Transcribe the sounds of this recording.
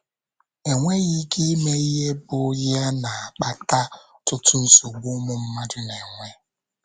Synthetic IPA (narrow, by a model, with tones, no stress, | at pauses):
e˨ŋʷe˦ɣi˦ke˦me˦i˦ɦe˦bʊ˨˦ɣja˦na˨a˨k͡pa˦ta˦ | tʊ˦tʊ˦n̩˦sʊ˨ɡ͡bʊ˦mʊ˦m̩˦ma˦dɪ˦ne˨ŋʷe˦